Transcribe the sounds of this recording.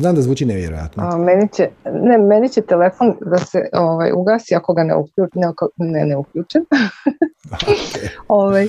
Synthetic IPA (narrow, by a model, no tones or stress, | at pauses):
znaːmd̪azʋuːt͡ʃineʋjeɾo̰ja̰t̪nomenit͡ɕenemenit͡ɕet̪elefo̞nd̪asḛoʋa̰juɡaːsiako̞ɡanḛṵkʎunekoneneukʎuːt͡ʃem | oʋaj